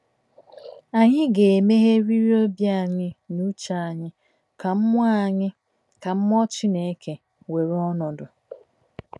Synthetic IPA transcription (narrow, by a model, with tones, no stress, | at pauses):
a˨ɲɪ˦ɡe˨e˨me˦ɦe˦ɾi˦ɾi˦o˦bja˦a˨ɲɪ˦nu˦t͡ʃa˦˨ɲɪ˦ | ka˨m̩˦mʷ˦a˦˨ɲɪ˦ | ka˨m̩˦mɔ˦t͡ʃi˦ne˨˦ke˨ | we˨ɾɔ˦nɔ˨dʊ˨